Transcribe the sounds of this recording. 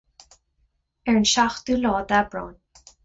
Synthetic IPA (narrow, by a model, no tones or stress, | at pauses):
ɛɹnʃaxt̪uːlɔːd̪abɾɔ̰ːn